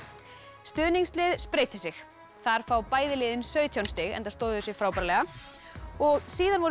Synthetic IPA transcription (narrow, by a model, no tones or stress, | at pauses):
st̪ʏːniŋslɪðspɾeːjt̪ɪsɪx | θaɾ̥faːwpaːjðɪlɪːðɪnsœːɥt̪ʰjawnst̪ɪɣɛ̰nt̪ast̪oːwðʏsɪɣfɾaːwpaɾalɛɣa | ɔɣsiːðanvɔɾʏ